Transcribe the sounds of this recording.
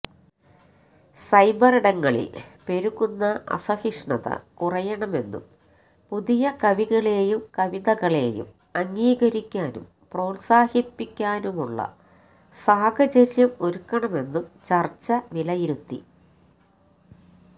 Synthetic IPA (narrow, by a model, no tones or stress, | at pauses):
sɐjbɐriɽɐŋːɐɭḭlpe̞ɾuɣunːɐʔɐ̰sɐhiʂɳɐðɐ̰kurɐjɐɳɐme̞nːṵm | puðijɐkɐʋiɣɐɭe̞ːjumkɐʋiðɐɣɐɭe̞̰ːjṵm | ɐŋːiːɣɐɾikʲːaːnṵm | pro̞ːlsaːhipːikʲːaːnumuɭːɐ̰ | saːɡɐt͡ɕɐɾjɐmo̞ɾukːɐɳɐme̞nːumt͡ɕɐrt͡ɕːɐʋilɐjiɾut̪ːḭ